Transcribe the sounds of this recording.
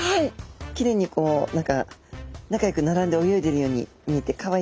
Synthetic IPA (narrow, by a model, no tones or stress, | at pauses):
haikʲiɾe̞ːɲ̟ːiko̞ːnãŋkanakajo̞kɯ̟naɾãnd̪e̞o̞jo̞id̪e̞ɾɯjo̞ːɲ̟ḭ | ɲ̟iet̪ːe̞kaβa